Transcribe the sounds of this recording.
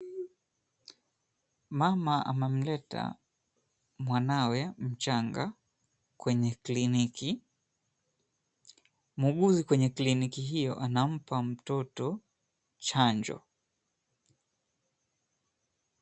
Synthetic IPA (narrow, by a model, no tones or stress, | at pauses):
mamaʔa̰mɛm̩lɛta̰ | mwanawɛm̩t͡ʃaŋɡa̰ | kwɛɲɛkliniki | muɡuzikwɛɲɛklinikiɦijɔ̰ʔanam̩pam̩tɔtɔ | t͡ʃaɲd͡ʒɔ̰